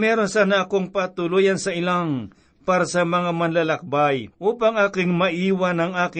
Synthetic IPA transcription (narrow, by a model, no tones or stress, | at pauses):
mɛːɾonsaːnɐʔɐkoŋpat̪ʊlujansɐɪlaŋ | paːɾasɐmɐŋamɐnlɐlɐk̚bajʔuːpaŋʔaːkɪŋmɐʔiːwanɐŋaːkɪ